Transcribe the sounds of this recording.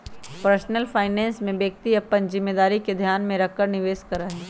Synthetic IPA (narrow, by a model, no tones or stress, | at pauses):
pəɾsnəlfʰaːɪnɛ̃ːnsmẽbjək̚t̪iɐpːənzɪmːeːd̪aːɾiked̪ʱjaːnmẽɾɐkːəɾnɪʋeːskəɾaɦɛː